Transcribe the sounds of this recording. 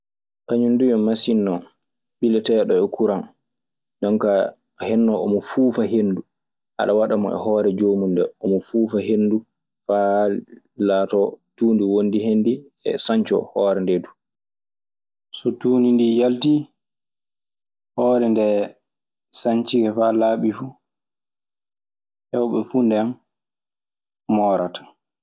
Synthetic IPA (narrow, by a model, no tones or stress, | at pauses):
kaɲundujɔmasinːɔ | ɓilɛtɛɗɔɛkuɾan | ɗɔnka | hɛnːɔɔmɔfuːfaɦendu | ʔa̰ɗawaɗamɔ̰ʔɛ̰hɔːɾɛd͡ʒomundɛɔmɔfuːfaɦenːdu | fa | latɔtuːndiwondiɦenːdi | ɛ̰saɲt͡ʃɔ̰hɔːɾɛndɛdu | sɔtuːnindijalti | hɔːɾɛndɛ | saɲt͡ʃiɡɛfalaːɓifu | hɛwɓɛfundɛn | mɔɾatḁ